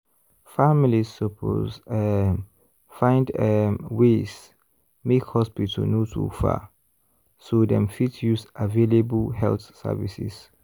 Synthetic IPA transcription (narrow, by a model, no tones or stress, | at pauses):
familissɔpʰo̰zɛ | fãɪ̃ndɛwes | mekhɔspitʰə̰lnotʰṵfa̰ | sodɛ̰̃mfitjusavelebəlhɛ̰lθsɛ̰vḭsḭs